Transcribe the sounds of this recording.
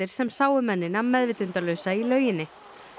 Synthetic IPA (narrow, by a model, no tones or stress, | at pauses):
ɪɾ̥sɛmsaːwʏmɛnːɪnamɛðvɪt̪ʏnt̪alœːɥsailœːɥjɪnːɪ